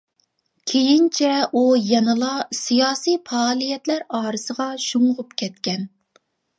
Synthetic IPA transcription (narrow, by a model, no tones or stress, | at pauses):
kʲʰejint͡ʃʰɛʔujɑnɨlˠɑsijɑːsijfɑːlˠijɛt̪læɾɑːɾɨsəʁɑʃuɴʁʊpkʲʰɛt̪kʲɛn